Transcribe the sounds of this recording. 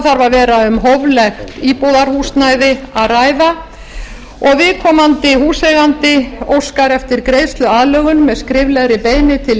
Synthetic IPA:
θaɾvaɾvɛːɾaʏmɦɔvlɛxt̪iːpowðaɾ̥huːst̪najðɪaðraːjða | ɔɣvɪðkʰɔːmant̪ɪhuːsɛɣant̪ɪowskaɾɛft̪ɪɾkɾejst̪lʏaːðlœːɣʏnmɛðskɾɪvlɛɣɾɪpeːjnɪt̪ʰɪl

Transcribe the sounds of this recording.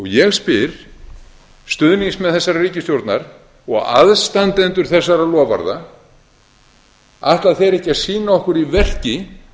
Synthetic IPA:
ɔɣjɛɣspɪɾ̥ | st̪ʏðniŋsmɛðθɛsːaɾariːcɪst̪jowɾt̪naɾ̥ | ɔɣa̰ðst̪ant̪ɛnt̪ʏɾ̥θɛsːaɾalɔːva̰ɾða | aht̪laðθɛjɾɛhcɪasiːnaɔhkʏɾivɛr̥cɪ

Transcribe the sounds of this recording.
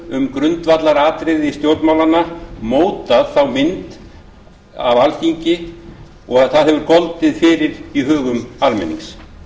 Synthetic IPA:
ʏmkɾʏnt̪vat̪laɾaːt̪ɾɪðɪist̪jowɾt̪nmawlanːamoːwt̪aðθawmɪnt̪ | a̰valçiɲcɪ | ɔɣaðθaðhɛvʏɾkɔlt̪ɪðfɪːɾɪɾiɦœːɣʏmalmɛ̰nːḭŋs

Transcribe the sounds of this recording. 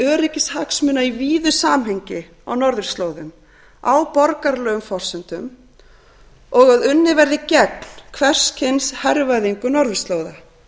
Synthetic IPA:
œːɾɪcɪshaksmʏːnaiviːðʏsaːmɦeɲcɪ | a̰wnɔɾðɪr̥st̪loːwðʏm | awpɔɾkaɾlœːɣʏmfɔr̥sʏnt̪ʏm | ɔɣaðʏnːɪvɛɾðɪcɛt̪n̥kʰvɛr̥scʰɪnshɛɾvajðiŋkʏnɔɾðɪst̪loːwða

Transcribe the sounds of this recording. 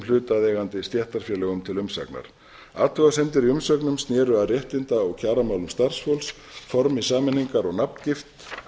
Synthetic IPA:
mlʏːt̪aðɛːɣant̪ɪst̪jɛht̪aɾ̥fjɛlɛɣʏmt̪ʰɪlʏmsa̰kna̰ɾ̥ | aːt̪lʏɣasɛnt̪ɪɾiʏmsœknʏmst̪njɛːɾʏaðrjɛht̪ɪnt̪aɔɣcʰaːɾamaːwlʏmst̪ar̥sfowls | fɔɾmisaːmɪnːiŋkaɾɔɣnapn̥cɪft̪

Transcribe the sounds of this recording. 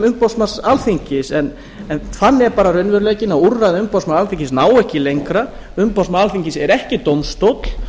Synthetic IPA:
ʏmpawsmasalθiɲcɪsɛn | ɛnθanːɛɾpaːɾarœnvœɾleːcɪnaurːaðʏmpawsmaalθiɲcɪsnaːwɛhcɪlejŋkɾa | ʏmpawsmaalθiɲcɪsɛɾɛhcɪt̪owmst̪owt̪l̥

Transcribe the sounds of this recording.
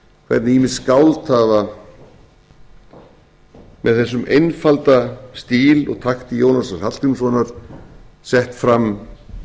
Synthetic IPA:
kʰvɛ̰ɾt̪nɪjimɪðskawlt̪aða | mɛðθɛsːʏmejnfalt̪ast̪iːlɔ̰ɣt̪ʰaxt̪ɪjoːwnasashat̪t̪ʏmsɔnaɾ̥ | sɛht̪fɾamː

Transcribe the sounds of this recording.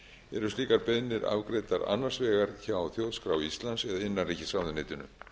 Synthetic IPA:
ɛɾʏst̪liːkaɾpɛðnɪɾa̰vkɾeːjt̪aɾa̰nːaɾ̥svɛːɣaɾ̥çawθjowðskɾawist̪lansɛðaɪnːanriːcɪsawðʏneːt̪ʏnʏ̰

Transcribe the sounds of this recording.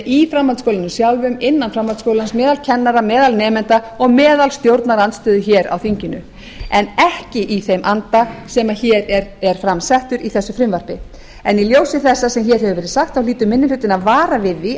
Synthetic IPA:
ifɾamhalt̪skowlɪnʏsjawlvʏmɪnːanfɾamhalskowlansmɛːðalcʰɛnːaɾamɛːðalnɛːmɛnt̪a | ɔɣmɛːðalst̪jowɾt̪naɾant̪st̪ʏːðʏçɛːɾa̰wθiɲcɪnʏ̰ | ɛnɛhcɪʔiθejmʔant̪asɛːmaçɛːɾɛɾɛɾ̥fɾamsɛht̪ʏɾiθɛsːʏfɾɪmvaɾ̥pɪ | ɛniljoːwsɪθɛsːasɛmçɛːɾɦɛvʏvɛːɾɪ̥saxt̪awliːt̪ʏmːɪnːɪlʏt̪ːɪnaðvaːɾavɪðɪ

